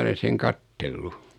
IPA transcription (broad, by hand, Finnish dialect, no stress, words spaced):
olen̞ seŋ kɑtːelːu